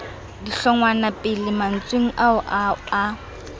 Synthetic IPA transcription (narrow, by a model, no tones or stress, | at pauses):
diɬɔŋwanapʼɪlɪman̩t͡sʼweŋ̩ʔaʊʔa